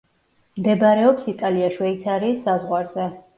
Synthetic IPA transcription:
md̪ɛbaɾɛɔpsit̪ʼaliaʃwɛit̪sʰaɾiːsːazʁwaɾzɛ

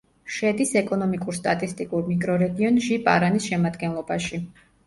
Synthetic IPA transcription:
ʃɛd̪isɛkʼɔnɔmikʼuɾst̪ʼat̪ʼist̪ʼikʼuɾmikʼɾɔɾɛɡiɔnʒipʼaɾanisʃɛmad̪ɡɛnlˠɔbaʃi

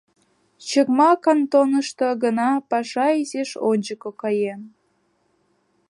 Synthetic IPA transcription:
t͡ɕəkmɑkɑnt̪onəʃt̪oɡənɑpɑʃɑizeʃonʲd͡ʑəkokɑjen

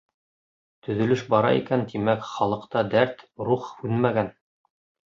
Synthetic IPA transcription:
t̪ɵ̆ðɵ̆lɘʃbɑɾɑ̰ḭkænt̪imækχɑlˠɤ̆qt̪ɑd̪æɾt̪ɾuχhʉðmæɡæn

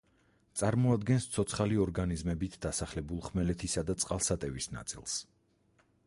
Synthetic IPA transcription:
t̪sʼaɾmɔad̪ɡɛnst̪sʰɔt̪sʰχaliɔɾɡanizmɛbit̪ʰd̪asaχlɛbulˠχmɛlɛt̪ʰisad̪at̪sʼqʼalˠsat̪ʼɛvisna̰t̪sʼḭlˠs

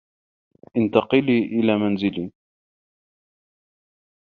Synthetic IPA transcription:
ʔɪnt̪ɑqɨliːʔɪlaːmanzɪliː

